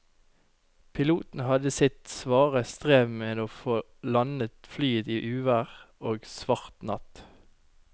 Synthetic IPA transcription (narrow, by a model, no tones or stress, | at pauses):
pʰɪluːt̪n̩hɑd̪əsɪt̪sʋɑːʁəst̪ʁeːʋmeːd̪oːfoː | lɑnət̪flyːəd̪iːʔʉːʋæːʁoːɡsʋɑʁt̪nɑt̪